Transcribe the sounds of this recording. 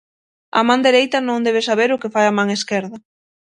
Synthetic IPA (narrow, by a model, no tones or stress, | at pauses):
ɐ̰mãnd̪eɾejt̪ɐnõŋd̪eβesaβeɾʊkefajamãŋeskeɾðɐ